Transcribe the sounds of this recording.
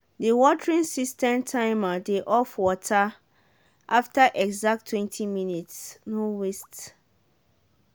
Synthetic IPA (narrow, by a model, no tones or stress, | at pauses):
diwɔtʰɹĩnsistʰɛ̃ntʰãɪmadeʔɔfwɔtʰa | ʔaftʰaʔɛɡzak̚tʰːwɛ̃ntʰimĩnitsnũwest